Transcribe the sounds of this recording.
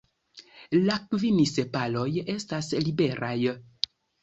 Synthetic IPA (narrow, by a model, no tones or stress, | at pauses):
lakvinisepalo̞je̞staslibe̞ɾʔaj